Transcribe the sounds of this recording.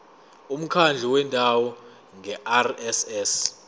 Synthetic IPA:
um̩kʰand͡ɮʱɛwɛndʼʱawɔ | ŋʱɛʔarɛsɛs

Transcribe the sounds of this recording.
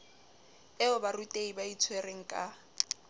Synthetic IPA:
ɛʊbarutʼeibait͡sʰwereŋ̩kʼa

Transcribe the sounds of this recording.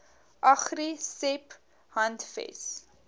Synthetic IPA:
ʔɐχrisɛp | hɐntfɛ̰s

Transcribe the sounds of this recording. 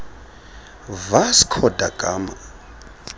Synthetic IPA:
vasi̥kʰɔdakʼa̰ːma

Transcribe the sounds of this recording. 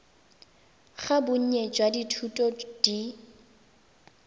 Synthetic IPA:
χabʊɲ̩ɲɛd͡ʒwaditʰutʼɔd̥i

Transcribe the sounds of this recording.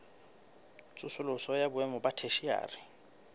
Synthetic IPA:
t͡sʼʊsʊlʊsɔjabʊɛmɔbatʰeʃia̰ːrɪ

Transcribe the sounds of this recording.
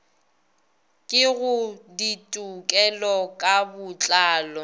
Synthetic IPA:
kʼɪɣʊditʼukʼɛlɔkʼabʊt͡ɬʼaːlɔ

